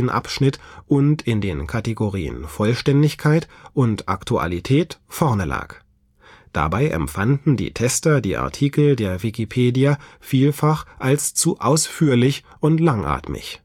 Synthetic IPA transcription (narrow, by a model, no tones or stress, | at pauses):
nʔa̰pʃnɪtʔʊntɪndeːnkʰateɡoʁiːə̰nfɔlʃtɛndɪçkʰaɪtʔʊntʔa̰ktua̰litʰɛːtfɔɐnəla̰ːk | d̥a̰baɪʔɛ̰mfandn̩dḭːtʰɛstɐdiːʔa̰ɐtʰiːkl̩deːɐvikipʰeːdiafiːlfaχʔalst͡suʔaʊsfyːɐlɪç | ʔʊntlaŋʔa̰ːtmɪ̰ç